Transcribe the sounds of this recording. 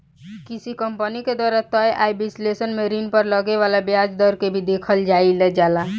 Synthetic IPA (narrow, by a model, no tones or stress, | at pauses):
kisikəmpəniked̪waɾat̪əjʔajbislesənmeɾinpəɾləɡeʋalabjad͡ʒd̪ɔɾkebʱid̪ekʰəld͡ʒailɛd͡ʒala